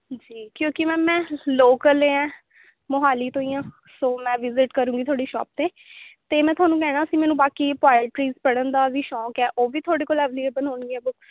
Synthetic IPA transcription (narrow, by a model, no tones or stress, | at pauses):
d͡ʒiːkjõːkɪmɛ̃ːmɛ̃ːloːkəleɛ̃ː | moɦaːliːt̪õːijãː | soːmɛ̃ːʋɪzɪʈkəɾũːŋɡiːt̪ʰoːɽiːʃɔ̰ːp̚t̪eː | t̪eːmɛ̃ːt̪ʊaːnũːkɛːɽ̃aːəsĩːmɛːnũːbaːkiːpaːɪʈɾiːzpəɽənd̪aːʋiːʃɔːkɛːʔoːʋiːt̪ʰoːɽeːkoːlɛːʋlieːbəloːɳɡiːɛːbʊk